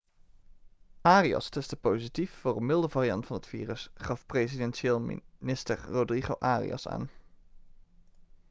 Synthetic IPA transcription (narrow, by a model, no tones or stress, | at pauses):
aːriɑ̰stɛstəpowzitifːʊːrəmɪlˠdəvaːrijɑ̰ntfɑnɦətfḭːrəsχɑfprezidɛnʃeːlˠnɪstəɹrodriχoʔaːrḭɑ̰sa̰ːn